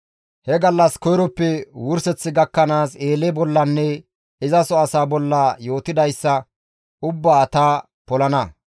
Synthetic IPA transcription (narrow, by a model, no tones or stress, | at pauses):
hɛɡɐlːɐskɔjɾɔpːɛwʊɾsɛt͡sːɪɡɐkːɐnaːseːlɛbɔlːɐnːɛ | ɪzɐsɔɐsaːbɔlːɐjo̞ːt̪ɪd̪ɐjsːɐ | ʊbːaːɐt̪aː | pɔlɐnɐ